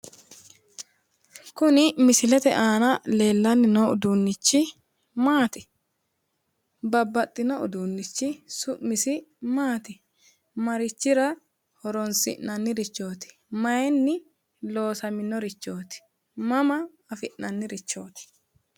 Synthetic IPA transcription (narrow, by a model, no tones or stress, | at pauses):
kʊnɪmɪsɪlɛt̪ɛ̰ʔaːnɐle̞ːlːɐnːɪnɔʊd̪unːɪt͡ʃːɪ | maːt̪ɪ̥ | bɐbːɐt̪ʼːɪnɔʊ̰d̪unːɪt͡ʃːɪsʊʔmɪsɪmaːt̪ɪ | mɐɾɪt͡ʃːɪɾɐ | hɔɾɔnsɪ̰ʔnɐnːɪɾɪt͡ʃːo̞ːt̪ɪ̥ | mɐjɛnːɪ | lo̞ːsɐmɪnːɔɾɪt͡ʃːo̞ːt̪ɪ̥ | mɐmɐː | fɪʔnɐnːɪɾɪt͡ʃːo̞ːt̪ɪ̥